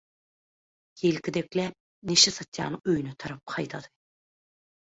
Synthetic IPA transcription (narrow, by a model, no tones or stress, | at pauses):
jelkʲʰid̪eklʲæp̚ | neʃesɑt̪jɑ̰ːnɯøjynøt̪ʰɑɾɑp̚qʰɑjt̪ʰɑd̪ɨ̥